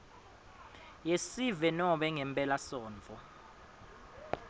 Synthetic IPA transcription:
jesivɛnɔɓɛŋɛmpʼɛlasɔːnt͡fɔ

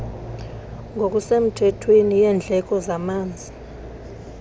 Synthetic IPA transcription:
ŋʱok̬ʼusem̩tʰɛtʰwenijɛnd͡ɮʱɛk̬ʼɔzamaːnd͡zʱi

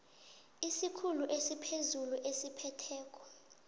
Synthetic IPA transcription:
isikʰuluʔesipʰezuluʔesipʰɛtʰɛːk̬ʼɔ̥

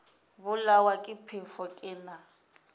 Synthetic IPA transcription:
bʊlawakʼɪpʰefɔkʼɪna

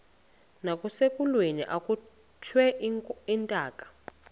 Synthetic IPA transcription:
nakʼusekʼulweniʔakʼu | t͡ʃʰwɛintʼaːkʼḁ

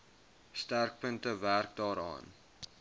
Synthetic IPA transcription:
stærk̚pəntəværk̚dɑːɾɑ̰ːn

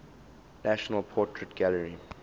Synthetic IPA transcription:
næʃɔnəlˠpʰɔˑtʰɹətɡ̥æləɹi

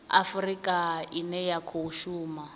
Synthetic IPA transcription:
a̰frikʼainɛjakʰouʃuːma

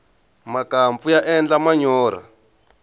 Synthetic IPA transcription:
makaɱfujaʔɛnd͡ɮamaɲɔːɾa̰

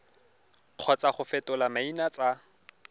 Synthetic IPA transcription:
q͡χʰɔt͡sʼaχʊfɛtʼʊlamainat͡sʼa

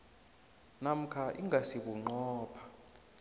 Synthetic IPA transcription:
nam̩kʰaʔiŋɡʱasikuŋ͡ǃɔːpʰḁ

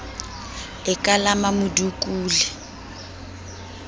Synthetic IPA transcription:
ɪkʼalamamʊdukʼuːlɛ

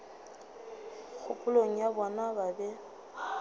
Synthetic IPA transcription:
k͡xʰʊpʼʊloŋ̩jabɔnababɛ

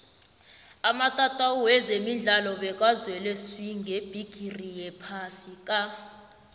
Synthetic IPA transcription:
amatʼatʼauwɛzemind͡ɮʱalɔɓɛk̬ʼwazwɛlɛswiŋɡʱeb̥ʱiɡ̥ʱirijɛpʰasikʼa

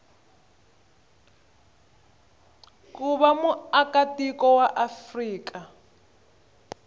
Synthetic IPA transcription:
kuβamuakatikɔwaʔafriːka

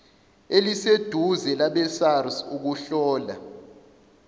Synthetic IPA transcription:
elised̥ʱuzɛlaɓɛsarsuk̬uɬɔːla̰

